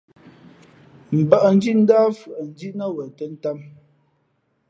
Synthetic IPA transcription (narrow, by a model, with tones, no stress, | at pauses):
m̩˨bə˦˨ʔə˨n̩˦d͡ʒi˦ʔn̩˦daː˦fʉ˨ʔə˨n̩˦d͡ʒi˦ʔnə˦wə˨tə˦n̩˦ta˦m